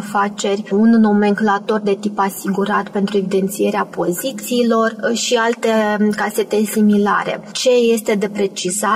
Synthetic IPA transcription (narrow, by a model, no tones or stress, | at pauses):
fat͡ʃe̞rʲunno̞me̞ŋklat̪o̞rd̪e̞t̪ipasiɡuɾat̪pe̞nt̪ɾue̞vid̪e̞nt̪sije̞ɾeapo̞zit̪siːlo̞rʃialt̪e̞kase̞t̪e̞simila̰ɾe̞̰t͡ʃe̞je̞st̪e̞d̪e̞pɾe̞t͡ʃiza